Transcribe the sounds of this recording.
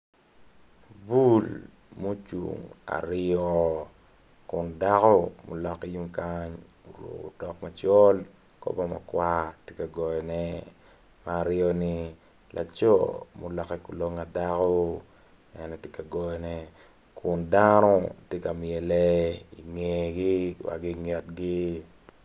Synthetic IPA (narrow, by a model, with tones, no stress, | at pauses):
bu˦l | mo˦t͡ʃṵ˨ŋa̰˨ɾɔ˦ | kʊ˨nda˦kɔ˦mo˨lɔ˨ki˦ju˦mkaɲ | o˨ɾo̰˨ko̰˨dɔ˨k̚ma˨t͡ʃɔ˦l | kɔ̰˦ba˦ma̰˨kwa˦tje˦ka˨ɡɔ˨jɛ˨nɛ˦ | maː˨ɾɪɔ˦ni˦ | lʔa̰˨t͡ʃo˦mo˨lɔ˨kɛ˦kʊ˨lo˦ŋa˨dako˦ | ɛ˨nɛ˨tje˦ka˨ɡɔ˨jɛ˨nɛ˦ | kʰʊndanɔ˦tje˦ka˨mɪ˨ɛ˨lɛ˦i˨ŋe˨ɡi˦wa̰˨ɡi˦ŋɛ˨tɡi˦